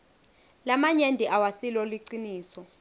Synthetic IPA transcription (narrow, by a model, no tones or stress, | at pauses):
lamaɲendʼʱiʔawasilɔliǀiniːsɔ